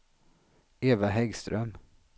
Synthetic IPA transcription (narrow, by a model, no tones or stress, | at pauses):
eːvaɦɛɡst̪ɾœm